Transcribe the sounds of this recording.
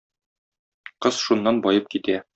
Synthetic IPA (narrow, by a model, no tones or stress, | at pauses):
qɤz̥ʃunːɑnbɒjɤp̚kit̪æ